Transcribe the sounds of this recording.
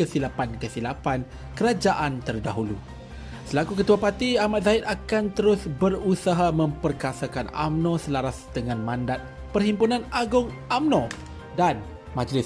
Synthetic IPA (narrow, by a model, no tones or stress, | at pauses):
kəsilapankəsilapan | kəɾad͡ʒaʔant̪ərdaɦulu | səlakukət̪uapat̪iamat̪̚zaɪt̪akant̪əɾʊsbərusaɦamə̃mpərkasakana̰mnɔ̃səlaɾasd̥əŋãnmãndat̪̚ | pərɦimpunãnaɡʊŋʔamnɔ̃ | dan | mãd͡ʒlɪs